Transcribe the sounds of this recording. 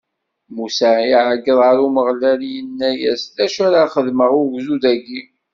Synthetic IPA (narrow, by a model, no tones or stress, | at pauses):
musæiʕəɡːəðˤʁəɾuməʁlæljənːæjæsðæʃæɾaχəðməʁʊɾɡzud̪æɡim